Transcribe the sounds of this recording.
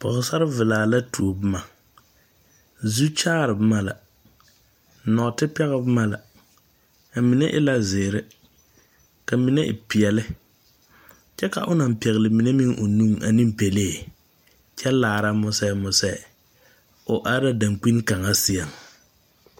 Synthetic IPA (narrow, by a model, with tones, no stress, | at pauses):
pɔ̰˨ɣʊ˨sa˦ɾɪ˦vɪ˨laː˨la˦tu˨o˨bma˨ | zu˦t͡ʃaː˦ɾɨ˨bɨ˦ma˦la̰˨ | nɔ˨tɪ˦pɛ˦ɣɪ˦bɨ˦ma˦la̰˨ | a˨mi˨nɛ˦ʔɪ̰˦la˦zɪː˨ɾɪ˦ | ka˨mi˨˦nɛ˦ʔɪ̰˨pi˨ɛ˨lɪ˦ | t͡ʃɛ˦ka̰˨ʔʊ˦na˨m˨pɛ˨ɣɪ˨lɪ˨mi˨ne˦mɪ˦ŋʔʊ˨nu˦ŋa̰˨ni˦m˦pe˨leː˦˨ | t͡ʃɛ˦laː˨ɾa˦mʊ˦sɛ˦mʊ˨sɛ˦˨ | ʊ˨ʔa˦ɾa˦da˨ŋk͡pi˦nka˨ŋa˦si˦a˨ŋ